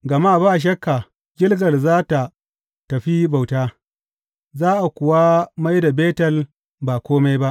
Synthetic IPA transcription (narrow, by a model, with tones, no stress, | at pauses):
ɡɐ˨ma˦˨baː˦˨ʃ̬ɐ˦kːa˨ | ɡʲɪ˦lɡɐ˨rzaː˦ta˨ | tɐ˨ɸi˦ba˨wtaː˦ | zaː˦ʔa˨kʷʊ˨wa˦ma˦jda˨beː˦tɐ˨l | ba˨kʷoː˦ma˦jba˦ʔ